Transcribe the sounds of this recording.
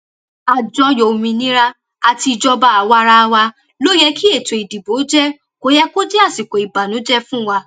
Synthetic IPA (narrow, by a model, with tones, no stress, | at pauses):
a˨d͡ʒɔ̃˨˧jo˨mĩ˧nĩ˦ɾa˦ | a˨ti˧˨d͡ʒɔ˧ba˦a˨wa˧ɾa˧wa˧ | lo˦jɛ˧kʰi˦e˦˨to˨i˨di˨bo˨˦d͡ʒɛ˦ | ko˨˦jɛ˦ko˦d͡ʒɛ˦a˦˨si˨ko˨i˨ba˨nũ˨˦d͡ʒɛ˦fũ˦wa˧